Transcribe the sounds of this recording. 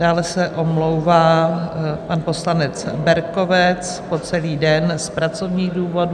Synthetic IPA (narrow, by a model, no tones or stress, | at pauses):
daːlɛsɛʔomlowvaː | panpo̞slanɛt͡sbɛɾko̞vɛt͡s | po̞t͡sɛliːdɛnspɾat͡so̞vɲiːɣduːvo̞d